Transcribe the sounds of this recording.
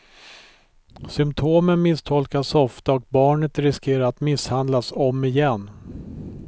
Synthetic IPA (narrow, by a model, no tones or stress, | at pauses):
sʏmpt̪ʰoːmənmɪst̪ʰɔlkasɔft̪aɔk̚bɑːɳət̪ɾɪskeːɾaɾat̪mɪshand̪lasɔmːɪjɛnː